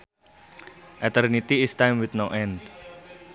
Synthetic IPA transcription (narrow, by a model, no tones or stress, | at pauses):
ʔɛt̪ərnit̪iːstajmwɪt̪noʔɛnd